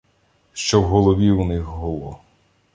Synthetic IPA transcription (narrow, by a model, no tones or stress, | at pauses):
ʃt͡ʃɔwɦɔlˠɔʋʲiunɪxɦɔlˠɔ